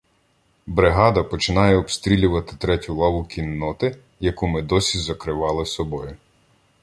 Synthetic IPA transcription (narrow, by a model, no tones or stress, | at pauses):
bɾɪɦɑd̪ɐpɔt͡ʃɪnɑjɛɔpst̪ɾʲilʲʊʋɐt̪ɪ̥t̪ɾɛtʲʊlˠɑʋʊkʲinːɔt̪ɪ | jɐkumɪd̪ɔsʲizɐkɾɪʋɑlˠɪsɔbɔjʊ